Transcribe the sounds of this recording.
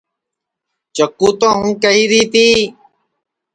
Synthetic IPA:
t͡ʃəkːuːt̪õːɦũːkəɦiːɾiːt̪iː

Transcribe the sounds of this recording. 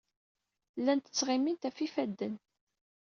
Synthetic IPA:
lːænt̪ə̥t͡sːʁimːint̪æfifæd̪ːən

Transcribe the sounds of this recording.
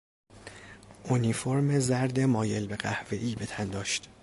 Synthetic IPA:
ʔonifoɾmezæɾd̪emɒːje̞lbe̞ɢæhve̞ʔiːbet̪ʰænd̪ɒːʃt̪

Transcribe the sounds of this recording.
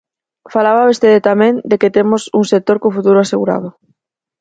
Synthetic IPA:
falaβ̞aust̪eðet̪amẽnd̪eket̪emosuŋset̪oɾkofut̪uɾoaseɣuɾa̰ð̞o

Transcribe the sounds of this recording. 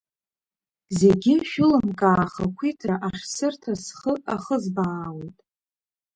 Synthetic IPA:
ze̞ɡʲɪʃᶣʊlɨmkʼaːχakʷʰitʰraʔaʂsɨrtʰasχəaχəzbaːwejtʼ

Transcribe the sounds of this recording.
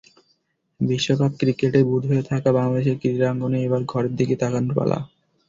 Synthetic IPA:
biʃːokab̚kɾikeʈebud̪ʱɦoet̪ʰakabaŋlad̪eʃ̬eɾkɾid̪ɾaŋɡoneebaɾɡʱɔɾeɾd̪iket̪akanpa̰la̰

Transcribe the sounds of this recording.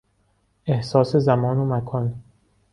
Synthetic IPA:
e̞hsɒːsezæmɒːnomækʰɒːn

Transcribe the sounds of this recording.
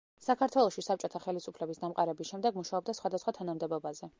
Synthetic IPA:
sakʰaɾt̪ʰwɛlˠɔʃisap̚t͡ʃʼɔt̪ʰaχɛlisupʰlɛbisd̪amqʼaɾɛbisʃɛmd̪ɛɡmuʃaɔb̚d̪asχwad̪asχwat̪ʰanamd̪ɛbɔbazɛ

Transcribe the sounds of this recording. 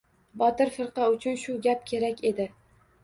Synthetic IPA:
bɒt̪ɪɾfɪɾqɑʊt͡ʃʰʊnʃʊɡʲap̚kʲʰe̞ɾakʲe̞d̪ɪ

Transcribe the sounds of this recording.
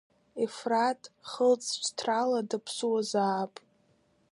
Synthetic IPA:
ifratʼχəlt͡sʼʰt͡ʃʰtʰraladɨpʰsuwazaːpʼ

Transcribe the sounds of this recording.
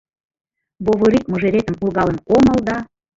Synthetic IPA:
boβoɾikmoʒeɾet̪ə̆mpulɣɑlə̆nomə̆ld̪ɑ

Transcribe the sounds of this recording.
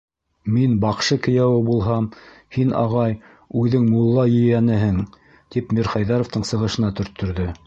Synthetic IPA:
minbɑqʃɤkɘ̆jæwɘbulˠɦɑm | hinʔɑ̰ʁɑj | ʉðɘŋmulˠːɑjɵ̆jænɘɦɘŋ | t̪ipmʲiɾχɑjðɑɾŏft̪ɤɴsɤ̆ʁɤ̆ʃɤ̆nɑt̪ɵ̆ɾt̪ʰːɵ̆ɾðɵ

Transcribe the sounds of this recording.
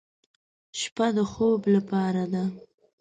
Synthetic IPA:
ʃpad̪əxoblapɑɾad̪a

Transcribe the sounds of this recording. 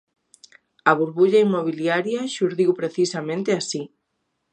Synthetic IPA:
aβuɾβuʎaimːoβ̞iljaɾjaʃuɾðiwpɾeθisamẽnt̪easi

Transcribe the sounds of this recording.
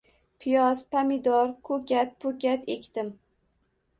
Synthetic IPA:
pʰijɒzpʰamɪd̪ɒɾkʰɵkʲat̪̚pʰɵkʲat̪ekʲt̪ɪm

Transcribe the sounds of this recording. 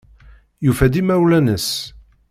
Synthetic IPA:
jufæd̪imæwlænəs

